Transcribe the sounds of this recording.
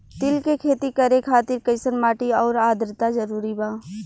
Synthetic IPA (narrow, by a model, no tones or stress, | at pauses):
t̪ɪlkekʰeːt̪ikɐɾẽkʰaːt̪ɪɾkɐɪsənmaːʈiɔːɾaːd̪ʱɾt̪ad͡ʒəɾuːɾibaː